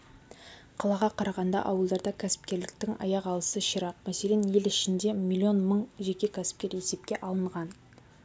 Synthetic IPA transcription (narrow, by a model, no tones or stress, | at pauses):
qʰɑlˠɑʁɑqʰɑɾɑʁɑnd̪ɑ̰ʔɑwəlˠd̪ɑɾd̪ɑkʲʰæsɪ̥p̚kʲe̞ɾlɪkt̪ɪŋɑ̰jɑqɑlˠəsəʃiɾɑq̚mæse̞lʲe̞nje̞lɪʃɪnd̪e̞mʲilʲːio̞nməɴʒe̞kʲe̞kʲʰæsɪ̥p̚kʲe̞ɾje̞se̞p̚kʲe̞ʔɑlˠəɴʁɑn